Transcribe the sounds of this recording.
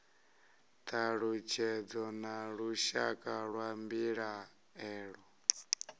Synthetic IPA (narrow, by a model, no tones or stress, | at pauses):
t̪ʰaɺut͡ʃʰɛd͡zɔnaɺuʃa̰kʼaɺwambiɺa | ɛːɺɔ